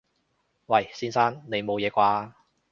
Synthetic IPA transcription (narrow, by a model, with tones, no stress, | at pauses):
wɐ˨˩jsiː˥nsaː˥nne˨˧jmo˨˧wjɛː˨˧kʷaː˧